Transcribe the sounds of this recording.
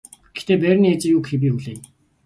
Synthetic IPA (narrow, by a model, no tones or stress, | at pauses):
ɡ̥e̥xt̪eːpæːrʲniet͡ɕĭjuːkxewiːxuɮeː